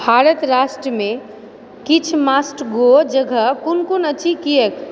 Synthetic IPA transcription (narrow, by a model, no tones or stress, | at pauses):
bʱaːɾət̪ɾaːʃʈɾəmẽ | kit͡ʃʰmaːsʈɡod͡ʒəɡʱəkʊnkunət͡ʃʰikijek